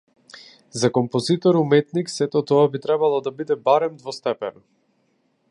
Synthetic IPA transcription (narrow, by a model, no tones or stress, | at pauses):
zakɔmpɔzit̪ɔɾumɛt̪niksɛt̪ɔt̪ɔabit̪ɾɛbalˠɔd̪abid̪ɛbaɾɛmd̪vɔst̪ɛpɛnɔ